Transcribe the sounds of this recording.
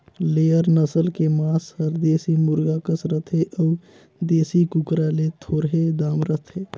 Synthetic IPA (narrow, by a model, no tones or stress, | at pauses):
lejəɾnəsəlkemashəɾd̪esimuɾɡakəsɾət̪ʰeʔəu | d̪esikukɾalet̪ʰoɾɦed̪amɾət̪ʰe